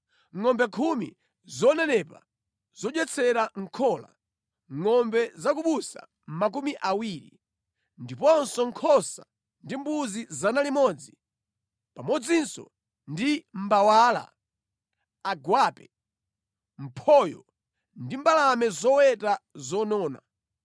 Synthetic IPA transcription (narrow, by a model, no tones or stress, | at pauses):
ŋɔmbɛkʰumḭ | zɔnɛnɛpa̰ | z̥ɔɗwɛt͡sʰɛɾaŋ̩kʰɔːla̰ | ŋɔmbɛzak̬uɓusa̰ | m̩mak̬umiʔawiɾḭ | ndipɔnsɔŋkʰɔsa̰ | ndimbuzizanalimɔd͡zi | pamɔd͡zinsɔ̰ | ndim̩bawaːla̰ | aɡwaːpɛ | m̩pʰɔjɔ | ndimbalamɛzɔwɛtazɔnɔːna̰